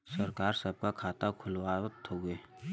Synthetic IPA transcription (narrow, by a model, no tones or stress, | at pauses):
səɾkaːɾsəb̚kakʰaːt̪akʰʊlwat̪oɡəeː